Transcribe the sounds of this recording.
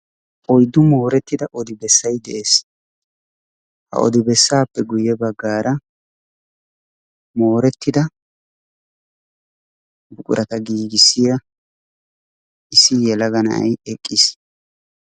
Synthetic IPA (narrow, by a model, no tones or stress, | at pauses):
ʔɔjd̪ːʊmo̞ːɾɛt̪ːɪd̪ɐʔɔd̪ɪbɛsːɐjd̪ɛʔe̞ːs | hɐ̰ʔɔ̰d̪ɪbɛsːaːpːɛɡʊjɛbɐɡːaːɾɐ | mo̞ːɾɛt̪ːɪd̪ɐ | bʊkʼʊ̰ɾʔɐt̪ɐɡiːɡɪsːɪjɐ | ʔɪsːɪjɛlɐɡɐnɐ̰ɐ̰jɛkʼːɪs